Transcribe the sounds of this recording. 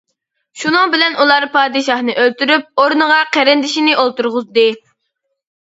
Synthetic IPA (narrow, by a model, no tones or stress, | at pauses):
ʃunɨŋbɪlɛnʔulˠɑɾpʰɑːd̪ɨʃɑhnɨʔølt̪yɾyp̚oɾnɨʁɑqæɾɪnd̪ɪʃinɪʔolˠt̪uɾʁʊzd̪ɨ